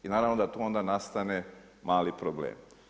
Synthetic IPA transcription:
inaːɾaʋnod̪at̪uo̞nd̪anast̪ane̞ | maːlipɾoblḛːm

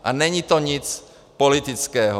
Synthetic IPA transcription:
ʔaɲɛɲit̪ɔɲit͡s | pɔlit̪it͡skɛːɦɔ

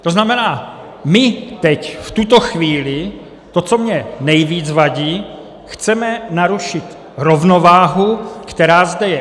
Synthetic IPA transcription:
t̪o̞znamɛnaː | mɪt̪ɛcft̪ut̪oxviːlɪ | t̪ot͡so̞mɲɛnɛjviːt͡svaɟiː | xt͡sɛmɛnaɾuʃɪt̪ | ɾovno̞vaːɦukt̪ɛɾaːzdɛjɛ

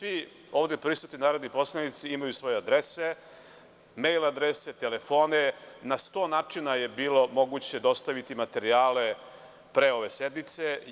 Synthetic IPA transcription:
sʋi | o̞ːʋd̪epɾisut̪ninaːɾod̪nipo̞slanit̪siimajusʋo̞jead̪ɾese | mejlˠad̪ɾeset̪elefo̞ːnenast̪o̞ːnaːt͡ʂinajebiːlo̞mo̞ɡut͡ɕe̞d̪o̞st̪aʋit̪imat̪e̞ɾiaːle̞ | pɾe̞o̞ʋe̞sed̪nit̪se

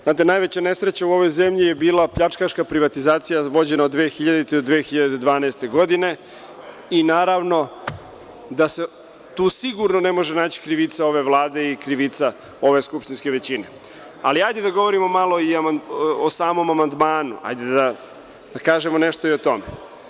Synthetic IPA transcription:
znaːt̪enajʋe̞t͡ɕane̞sɾet͡ɕauo̞ʋo̞jzemʎije̞biːlˠapʎat͡ʂkaʃkapɾiʋat̪izaːt̪sijaʋo̞d͡ʑe̞naod̪ʋeːxiʎad̪it̪ed̪od̪ʋeːxiʎad̪ed̪ʋaːnaːst̪e̞ɡo̞d̪ine̞ | inaːɾaʋno̞ | d̪ase | t̪uːsiɡuɾnone̞mo̞ʒenaːt͡ɕi̥kɾiʋit̪sao̞ʋe̞ʋlˠaːd̪e̞ikɾiʋit̪sa | o̞ʋe̞skupʃt̪inskeʋe̞t͡ɕine | a̰liajd̪ed̪aɡo̞ʋo̞ɾimomalˠo̞iamaosaːmo̞mamand̪maːnṵa̰jd̪ed̪a | d̪̥akaːʒemone̞ʃt̪oio̞t̪o̞me

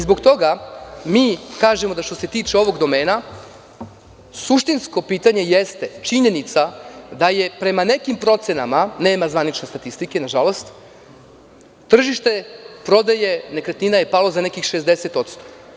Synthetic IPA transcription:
izbokt̪o̞ɡamiːkaːʒemo̞d̪aʃt̪o̞se̞t̪iːt͡ʃeo̞ʋo̞ɡd̪o̞me̞ːna | suʃt̪insko̞piːt̪aɲe̞jest̪e̞t͡ʃiɲe̞nit̪sad̪aje̞pɾe̞mane̞kimpɾo̞t̪senamane̞ːmazʋanit͡ʃnesat̪ist̪ike̞naʒalo̞st̪ | t̪ːr̩ʒiʃt̪e̞pɾo̞d̪aje̞ne̞kɾet̪ninaje̞palo̞zane̞kixʃe̞zd̪ese̞t̪o̞t̪st̪o̥

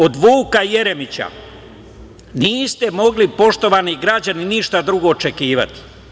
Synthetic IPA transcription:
o̞d̪ʋuːkaje̞ɾe̞mit͡ɕa̰ | niːst̪e̞mo̞ɡlipo̞ʃt̪o̞ʋaniɡɾad͡ʑaniniʃt̪ad̪ɾuɡo̞ːt͡ʃe̞kiːʋa̰t̪i̥

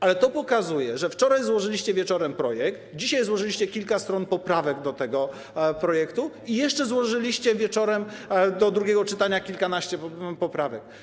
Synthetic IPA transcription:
alɛt̪ɔpɔkazujɛʐɛft͡ʂɔɾajzwɔʐɘlʲiɕt͡ɕɛvʲjɛt͡ʂɔɾɛmpɾɔjɛkt̪d͡ʑiɕajzwɔʐɘlʲiɕt͡ɕɛkʲilkast̪ɾɔnpɔpɾavɛɡd̪ɔt̪ɛɡɔ | pɾɔjɛkt̪u | ijɛʂt͡ʂɛzwɔʐɘlʲiɕt͡ɕɛvʲjɛt͡ʂɔɾɛmd̪ɔd̪ɾuɡʲjɛɡɔt͡ʂɘt̪aɲakʲilkanaɕt͡ɕɛpɔpɾavɛk̚

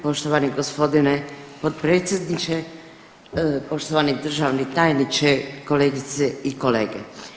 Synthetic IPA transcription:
po̞ʃt̪oʋaniɡospo̞d̪inepot̪pɾeːt̪sjed̪nit͡ʃe | po̞ʃt̪oʋanid̪r̩ʒaʋnit̪ajnit͡ʃekoleːɡit̪seikolḛːɡḛ

